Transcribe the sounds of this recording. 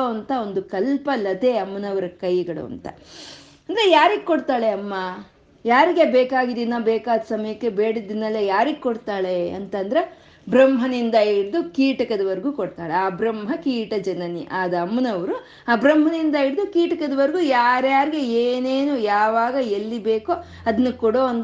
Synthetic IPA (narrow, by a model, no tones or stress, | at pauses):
ɐɐnt̪ɐo̞nd̪ukɐlpɐlɐt̪e̞ɐmːɐnɐʋɐɾɐkɐjɡɐɽṵɐ̰nt̪ɐ̰ | ɐnd̪ɐɾejaːɾiɡkoɽt̪aːɭe̞ɐmːɐ | jaːɾiɡebeːkaːɡid̪inːabɛːkaːd̪ɐsɐmɐjɐkːe̞beːɽid̪ːinːɐlːejaːɾiɡkoɽt̪aːɭe̞ɐ̰nt̪ɐnd̪ɐɾe | bɾɐmɦɐnind̪ɐiɽid̪ukiːʈɐkɐd̪ɐʋɐɾɡukɔɽt̪aːɭeaːbɾɐmɦɐkiːʈɐd͡ʒɐnɐnḭʔaːd̪ɐːmːɐnɐʋɐɾu | aːbɾɐmɦɐnind̪ɐiɽd̪ukiːʈɐkɐd̪ɐʋɐɾɡujaːɾjaːɾiɡe̞eːneːnujaːʋaːɡɐelːibeːko | ɐd̪ɐnːukɔɽoːɐn